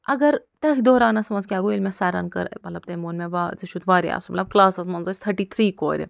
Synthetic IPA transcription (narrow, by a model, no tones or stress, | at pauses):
ɐɡɐɾt̪əɦid̪oːɾaːnɐsmɐnzkʲaːɡoilʲmʲesaɾa̰nkɐ̰ɾmɐt̪lɐb̚t̪emoːnmʲeʋat͡seʃut̪ʋaːɾḛa̰sumɐt̪lɐb̚klaːsɐsmɐnzɐsʲt̪ʰɐɾʈit̪ʰɾiːko̰ːɾʲḛ